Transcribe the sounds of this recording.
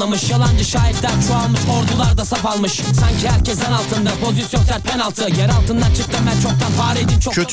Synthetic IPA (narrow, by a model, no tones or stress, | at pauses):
amɯʃjalˠand͡ʒɯʃaːiɾd̪ænt͡ʃʰualˠmɯʃo̞ɾd̪ulˠaɾd̪asapalˠmɯʃsancʰihæɾcʰɛsd̪ɛnalˠt̪ʰɯnd̪apʰo̞zisijo̞nsæɾt̪̚ʰɛnalˠt̪ʰɯjɛɾalˠt̪ɯnd̪ant͡ʃʰɯk̚t̪ɯbænt͡ʃʰo̞k̚t̪anfaːɾed̪int͡ʃʰoø